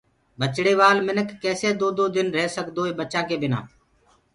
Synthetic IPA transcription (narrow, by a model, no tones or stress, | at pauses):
bət͡ʃɽeːʋaːlmɪnəkːɛːseːd̪oːd̪oːd̪ɪnɾeːsəkd̪oːeːbət͡ʃãːk̬eːbɪnã̰ː